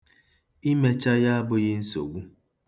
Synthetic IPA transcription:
i˦me˦t͡ʃa˦ja˦a˦bʊ˦ɣɪ˦n̩˦so̰˨ɡʷu˦

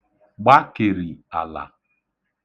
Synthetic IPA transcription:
ɡ͡ba˦ke˨ɾi˨a̰˨la̰˨

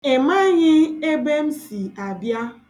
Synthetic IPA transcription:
e˨ma˦ɲɪ˦e˦be˦m̩˦si˨a˨bja˦

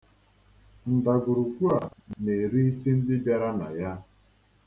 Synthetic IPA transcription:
n̩˨da˨ɡʊ˨ɾu˨kʷu˦a˨ne˨ɾi˦i˦si˦n̩˦dɪ˦bja˦ɾa˦na̰˨ja˦

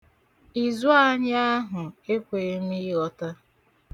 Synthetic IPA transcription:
i˨zu˦a˦ɲ˦a˦ɦʊ˨e˦kʷe˨e˦m̩˦i˦i˦ɣɔ˦ta˦

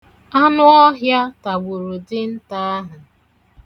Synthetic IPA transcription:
a˦nʊ˦ɔ˦ɦja˦ta˨ɡ͡bʊ˨ɾʊ˨dɪ˦n̩˦ta˦a˦ɦa˨

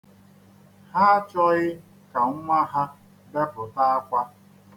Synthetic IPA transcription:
ha˦a˦t͡ʃɔ˦ɣɪ˦ | ka˨ŋ̩˦ŋʷa˦ɦa˦ | be˦pʊ˨ta˦a˦kʷa˦

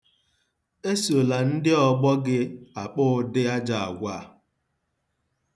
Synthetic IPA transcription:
e˦so˨la˨n̩˦dɪ˦ɔ˨ɡ͡bɔ˦ɡɪ˦a˨k͡pʊ˦dɪ˦a˦d͡ʒa˨a̰˨ɡʷa˦˨

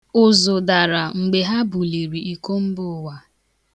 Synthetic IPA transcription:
ʊ˨zʊ˨da˨ɾa˨ŋ͡m̩˨ɡ͡be˨ɦa˦bʊ˨li˨ɾi˨i˨ko˦m̩˦bʊ˦wa˨

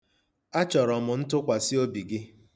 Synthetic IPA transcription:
a˦t͡ʃɔ˨ɾɔ˨mʊ˨n̩˦tʊ˦kʷa˨sɪ˦o˦bi˨ɡɪ˦

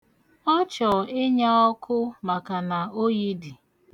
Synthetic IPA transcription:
ɔ˦t͡ʃɔ˨ɪ˦ɲa˦ɔ˦kʰʊ˦ma˨ka˨na˨o˦ɣi˦di˨

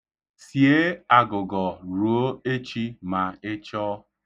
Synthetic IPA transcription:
sje˦a˨ɡʊ˨ɡɔ˨ɾu˨o˦e˦t͡ʃi˦ma˨ɪ˦t͡ʃɔ˦

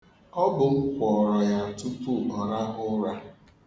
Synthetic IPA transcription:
ɔ˦bʊ˨ŋ̩˦kʷɔ˨ɾɔ˨ja˨n̩˨tu˦pu˦ɔ˨ɾa˦ɣʊ˦ɾa˦

